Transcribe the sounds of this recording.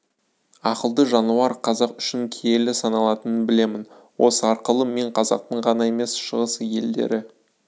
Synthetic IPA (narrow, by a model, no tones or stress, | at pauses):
ɑqəlˠd̪əʒɑnuɑɾqʰɑzɑqʏ̥ʃɪŋkʲʰeje̞lɪsɑnɑlˠɑt̪ənənbɪle̞mɪn | wo̞̰səɑɾqəlˠəme̞ɴqʰɑzɑ̰q̚t̪əɴʁɑnɑe̞me̞sʃəʁəsje̞̰ld̪e̞̰ɾɪ